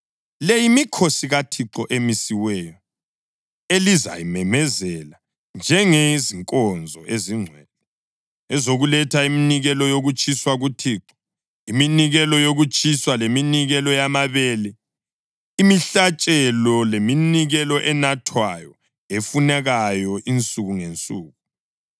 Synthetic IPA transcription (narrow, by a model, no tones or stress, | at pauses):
lejimikʰosiɣatʰiǁɔʔemisiwɛːjɔ | eliza̰jimɛmɛzɛla | nd͡ʒʱɛŋeziŋkʼɔnd͡zʱɔʔeziŋ͡ǀʱwɛlɛ | ɛzoɣulɛtʰaiminiɣɛlɔjoɣut͡ʃʼʰiswaɣutʰiːǁɔ̥ | iminiɣɛlɔjoɣut͡ʃʼʰiswaleminiɣɛlɔjamaβɛːlɛ | imiɬat͡ʃʼɛlɔleminiɣɛlɔʔɛnatʰwajɔ | efunɛɣajɔʔint͡sʼuɣuŋent͡sʼuːɣu